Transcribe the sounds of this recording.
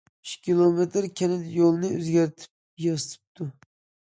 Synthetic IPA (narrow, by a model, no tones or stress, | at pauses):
yʃkʲilˠomet̪ʰɪɾkʲʰɛnɪd̪jolˠnɨøzɡʲæɾt̪ʰɪ̥p̚jɑsɨt̪ʰɨ̥p̚t̪ʰu